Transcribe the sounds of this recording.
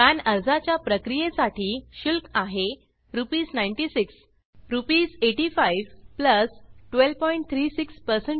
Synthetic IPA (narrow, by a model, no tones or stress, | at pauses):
anəɾd͡zat͡ɕjapɾəkɾijesaʈʰiːɕulkaɦe | ɾupiːsnajnʈisiks | ɾupiːseʈifajʋpləsʈʋelpɔiɳʈ̚t̪ʰɾiːsikspəɾseɳ